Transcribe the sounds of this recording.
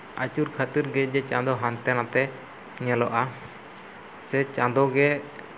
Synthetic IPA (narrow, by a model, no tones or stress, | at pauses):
at͡ʃuɾkʰat̪iɾɡɛd͡ʒɛt͡ʃãd̪ɔɦãnt̪ɛnat̪ɛ | ɲɛlɔʔa | sɛt͡ʃãd̪ɔɡɛ